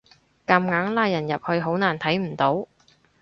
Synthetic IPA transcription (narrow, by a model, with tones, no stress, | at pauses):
kɐ˧mŋaː˨˥ŋlaː˧jːɐ˨˩njɐ˨p̚hɵ˧ɥɦo˨˥wnaː˨˩nt̪ʰɐ˨˥jm̩˨˩t̪o˨˥w